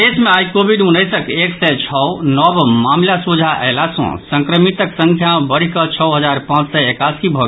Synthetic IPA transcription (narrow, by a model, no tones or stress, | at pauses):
esmẽajikobiɖunːəɪsəkeksɛt͡ʃʰɔnɔbmaːmlasud͡ʒʱaʔɛ̰lasɔ̰̃sə̃ŋkɾəmit̪əksə̃ŋkʰjabəɽ̤ikət͡ʃʰɔɦəd͡ʒaːɾpãːt͡ʃsɔekaːsibʱɔ